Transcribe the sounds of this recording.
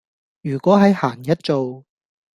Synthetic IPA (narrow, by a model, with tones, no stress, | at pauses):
jyː˨˩kʷɔː˨˥ɦɐ˨˥jhaː˨˩ŋjɐ˥t̚t͡so˨w